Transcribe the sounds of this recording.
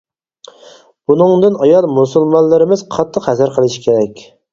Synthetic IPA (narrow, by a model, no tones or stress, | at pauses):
bunɨŋd̪ɨnɑjɑlˠmusulˠmɑnlːˠɨɾɪmɪzqʰɑt̪ʰːəqhɛsæɾqʰəlˠɨʃi̥kʲʰeɾɛkʲ